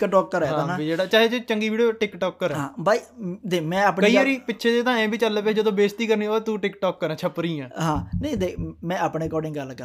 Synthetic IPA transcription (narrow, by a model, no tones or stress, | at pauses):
ɪkʈɔːkːəɾɛːɦaãːnːbiːd͡ʒeːɽaːt͡ʃaːɦeːt͡ʃet͡ʃəŋɡiːʋiːɖijoːʈɪkʈɔːkːəɾɛãbaːiːd̪eːmɛ̃ːaːpkəiːʋəɾiːpɪtːʃʰeːd̪eːt̪ãːɛ̃ːbiːt͡ʃəlːped͡ʒəd̪õːbeːst̪iːkəɾniːoːeːt̪uːʈɪkʈɔːkːəɾɛ̃ːt͡ʃʰəpɾiːɛ̃ːɦãːnə̃ĩd̪eːmɛ̃ːaːpɳeːkɔːɖɪ̃ŋɡɡəlkə